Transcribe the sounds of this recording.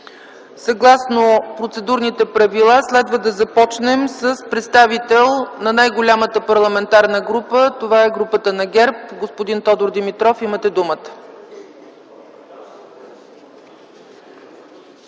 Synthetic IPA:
sɐɡlˠasnopɾot̪sɛd̪uɾnit̪ɛpɾɐvilˠaslɛd̪vəd̪ɐzɐpɔt͡ʃnɛmsəspɾɛt̪st̪avit̪ɛlˠnɐnajɡolʲamət̪əpɐɾlˠɐmɛnt̪aɾnəɡɾupət̪ovaɛɡɾupət̪ənɐɡʲɛɾpɡospod̪int̪ɔd̪ʊɾd̪imit̪ɾɔfimət̪ɛd̪umət̪ə̥

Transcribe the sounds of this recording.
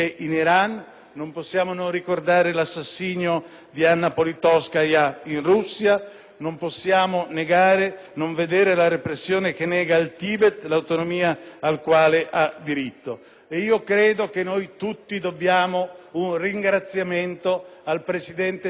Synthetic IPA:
eʔiniɾanː | omposːjaːmononrikord̪aːɾelasːasːiːɲo | d̪ianːapolit̪ɔskajainrusːja | nomposːjaːmoneɡaːɾe | noɱved̪ɛːɾelaɾepɾesːjoːnekenːɛːɡalt̪iːbet̪lawt̪onomiːaːlkwaːleʔad̪ːiɾit̪ːo | eiːokɾeːd̪okenːojt̪ut̪ːid̪obːjaːmounriŋɡɾat̪sːjament̪oalpɾesid̪ɛnt̪e

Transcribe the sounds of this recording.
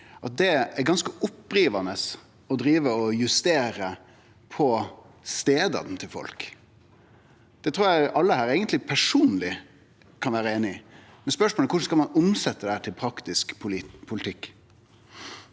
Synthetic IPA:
ʔɑt̪̚d̪ɛæɾɡɑnskəʔʊpːɾiːʋɑnəs | ɔd̪ɾiːʋəɔjʉst̪eːɾə | pʰɔ | st̪eːd̪ɑ̰d̪n̩t̪ʰɪlfɔ̰lk | d̪̥ɛt̪ʰɾuːɾjæɪʔɑlːəhæːɾeːɡənt̪lɪpʰæʂuːnlɪ | kʰɑnʋæːɾəeːnɪ | mɛnspœʂmoːləkʊʂ̩skɑlmɑnʊmsɛt̪ːəd̪ɛæːʈ̪ʰɪlpʰɾɑkt̪ɪskpʰʊlɪt̪ʰɪkː

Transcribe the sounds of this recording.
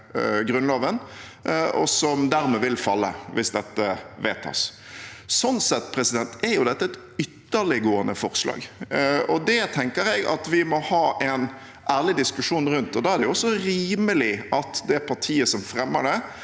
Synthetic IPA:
ɡɾʉnlɑːʋən | ɔ̰sɔmd̪æɾmɛʋɪlfɑlːə̰ʋɪsd̪ɛt̪ːəʋḛːt̪ʰɑ̰s | sɔnsɛt̪ːpʰɾɛsɪd̪ɛnt̪ɛɾjʊd̪ɛt̪ːəɛt̪ | ʏt̪ːəɭɪɡoːənəfɔɾslɑ̰ːɡɔd̪ɛt̪ʰɛŋkəɾɛɡɑ̰t̪ʋɪmɔhɑːʔɛn | ʔæːʁlɪd̪ɪskʉʂuːnɾʉnt̪ɔd̪ɑːæʁd̪ɛjʊɔsɔɾiːməlɪʔɑt̪d̪ɛæpʰɑʈʰiːəsɔmfɾɛmːə̰ɖɛ

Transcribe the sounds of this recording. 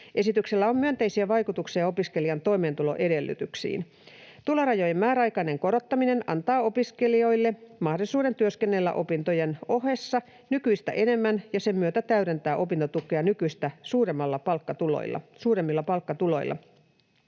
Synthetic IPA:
ʔe̞sit̪ykselːæo̞mːyønt̪e̞isiæʋɑjkut̪uksijɑo̞piske̞liɑnt̪o̞ime̞ːnt̪ulo̞̰ʔe̞de̞lːy̰t̪yksḭːn | t̪uloɾɑjo̞jemmæːɾæɑjkɑine̞ŋko̞ɾo̞t̪ːɑmine̞nɑ̰nt̪ɑːo̞piske̞lio̞jlːe̞mɑhdosuːde̞nt̪yøske̞nːe̞lːæ̰ʔo̞pint̪ojeno̞ɦesːɑ | nykyjst̪æ̰ʔe̞ne̞mːænjɑse̞mmyøt̪æt̪æyɾe̞nt̪æːʔo̞pint̪ot̪ukˑeɑnykyjst̪æsuːɾemːɑlːɑpɑlkːɑt̪ulo̰jlːɑ̰suːɾemːilːɑpɑlkːɑt̪ulo̞̰jlːʔɑ̰

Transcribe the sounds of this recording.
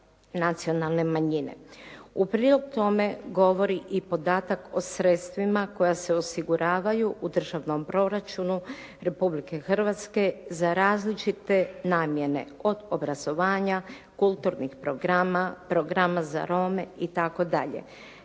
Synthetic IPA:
nat̪sio̞nalˠne̞maɲinḛupɾiːlo̞ɡut̪o̞me̞ɡo̞ʋo̞ɾiʔipo̞d̪aːt̪ako̞sɾet̪st̪ʋimako̞jase̞o̞siɡuɾʔaːʋajuʔud̪r̩ʒaʋno̞mpɾo̞ɾat͡ʃunu | ɾe̞publike̞xr̩ʋat̪ske̞zaɾaːzlit͡ʃit̪e̞naːmje̞ne̞̰o̞d̪o̞bɾazo̞ʋaːɲa | kulˠt̪uɾnixpɾo̞ɡɾamapɾo̞ɡɾamaza̰ɾo̞meit̪ako̞d̪aʎḛ

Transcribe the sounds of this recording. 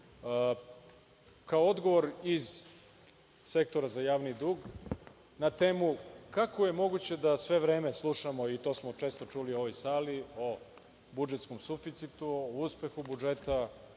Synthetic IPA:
kaood̪ɡo̞ʋo̞ɾiz | se̞k̚t̪o̞ɾazajaːʋnid̪uːɡ | nat̪eːmukakoje̞mo̞ɡut͡ɕe̞d̪asʋe̞ʋɾe̞ːmeslˠuʃamo̞it̪o̞ːsmot͡ʃe̞ːst̪o̞t͡ʃulio̞ʋo̞jsaːlio | bud͡ʒet̪skomsufit̪sit̪uouspe̞xubud͡ʒet̪a

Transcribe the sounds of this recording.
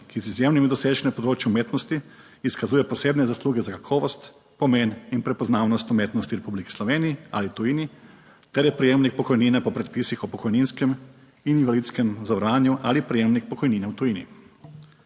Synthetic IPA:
kizizjemnimid̪ɔseːʒnɛpɔd̪ɾoːt͡ʃjumeːt̪nɔst̪iː | skazuːjɛpɔseːbnɛzasluːɡɛzakakʰɔːʋɔst̪ | pɔmeninpɾɛpɔznaːwnɔst̪umeːt̪nɔst̪iɾɛpubliki̥slɔʋeːniia̰lit̪ujini | t̪ɛɾjɛpɾijeːmnik̚pɔkɔjninɛpɔpɾɛt̪̚pisixɔpɔkɔjninskɛm | ininvalit̪skɛmzaʋɾʋaːnjuʔalipɾijeːmnik̚pɔkɔjniːnɛwt̪ujiːnḭ

